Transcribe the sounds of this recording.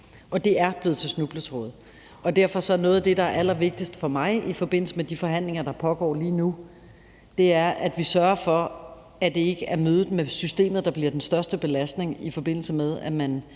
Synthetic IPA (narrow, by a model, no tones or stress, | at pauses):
ʔɒ̽d̥e̝æɐb̥le̝ð̩ˠt͡sʰe̝snub̥lət͡sʰʁɔ̰ð̩ˠ | ɒ̽d̥æɐfɒ̽sɒ̽ɐnɔ̽ːðˠd̥e̝ɾɑ̈æɐʔæl̰ɐʋe̝ɡ̥̚d̥isd̥ə̥fɒ̽mɑ̈ɪifɒ̽b̥e̝n̰l̩səmed̥ifɒ̽ɦæn̰le̝ŋɐd̥ɑ̈pʰɒ̽ɡ̥ɒ̰ːliːnu | d̥e̝æɐʔæd̥ʋisɶɐɐfɒ̽ | æd̥e̝e̝ɡ̥əæɐmøːð̞ˠð̩ˠmesysd̥e̝̰ːmð̩ˠd̥ɑ̈b̥liɐd̥ensd̥ɶɐsd̥əb̥e̝læsd̥ne̝ŋifɒ̽b̥e̝n̰l̩səmeðˠæmæn